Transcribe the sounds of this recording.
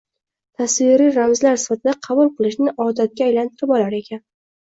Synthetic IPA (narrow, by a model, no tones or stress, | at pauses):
t̪ʰasvɪɾiɾamzlaɾsɪ̥fat̪ʰɪd̪aqʰɑbulˠqʰɨlˠɪʃnɪʔɒd̪at̪̚ɡʲaːjlant̪ʰɪɾɪbɒlaɾe̞kʲʰan